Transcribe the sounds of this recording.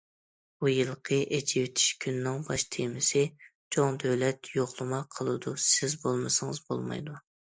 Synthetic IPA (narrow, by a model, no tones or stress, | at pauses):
bujɨlˠqʰəʔed͡ʒiwɪt̪ʰɪ̥ʃkʲʰynːɪŋbɑʃt̪ʰemɪsɪt͡ʃʰoŋd̪øwlɛt̪joχlˠɨmɑqʰəlˠɨd̪usɪzbolˠmɨsɨŋɨzbo̰lˠmɑ̰jd̪u